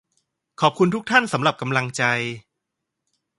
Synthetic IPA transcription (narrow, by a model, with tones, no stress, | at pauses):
kʰɔː˨˩p̚kʰu˧nt̪ʰu˦˥k̚t̪ʰa˥˩nsa˩˦mɾla˨˩p̚ka˧mla˧ŋt͡ɕa˧j